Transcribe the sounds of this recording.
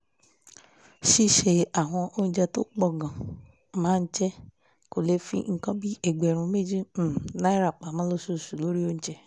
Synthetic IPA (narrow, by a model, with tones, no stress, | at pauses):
ʃi˦ʃe˧a˨ɦɔ̃˧ʔo˧ñ̩˧d͡ʒɛ˧to˦k͡pɔ˦˨ɡã˨ | mãː˨˦n̩˦t͡ʃɛ˦ | ko˨le˧fḭ˦ŋ̩˦kɔ̃˦bi˦e˨ɡ͡bɛ˨ɾ̃ũ˧me˦˨d͡ʒĩ˦˨nã˦i˦ɾa˦˨k͡pa˨mã˨˦lo˧˦su˦˨su˨lo˦ɾi˦o˦ñ̩˦t͡ʃɛ˧